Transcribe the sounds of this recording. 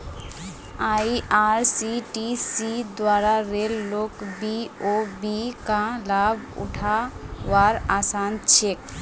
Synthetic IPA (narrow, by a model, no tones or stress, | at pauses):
aːiʔaːɾsiʈisid̪waːɾaɾeːlːoːkbiobikalaːb | ʊ̰ʈʰawaːɾaːsaːnt͡ʃʰek